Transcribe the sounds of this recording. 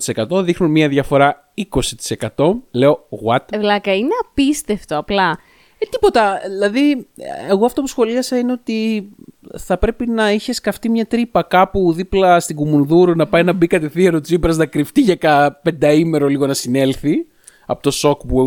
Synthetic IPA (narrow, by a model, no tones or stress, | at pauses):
t̪i̥sekɐt̪o̞ðixnunmiɐðʝɐfo̞ɾɐ | iko̞si̥t̪i̥se̞kɐt̪o̞le̞o̞ɣwɐt̪vlɐkɐineɐpist̪e̞ft̪oɐplɐ | t̪ipo̞t̪ɐðilɐðieɣoɐft̪o̞pusxo̞liɐsɐine̞o̞t̪i | θɐpɾe̞pinɐiçe̞skɐft̪imɲɐt̪ɾipɐkɐpuðiplɐst̪iɡumunðuɾunɐpɐjnɐbikɐt̪e̞θieɾot͡sipɾɐznɐkɾift̪iʝɐkɐpe̞nd̪ɐime̞ɾo̞liɣo̞nɐsine̞lθi | ɐ̰pot̪o̞so̞kpu